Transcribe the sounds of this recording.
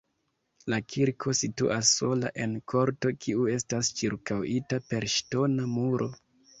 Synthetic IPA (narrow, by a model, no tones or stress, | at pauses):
lakʰiɾkʰo̞sitṵʔasːo̞la̰ʔe̞nkʰo̞ɾto̞kʰiue̞stast͡ʃiɾkawitape̞ɾʃto̞namuɾʔo̞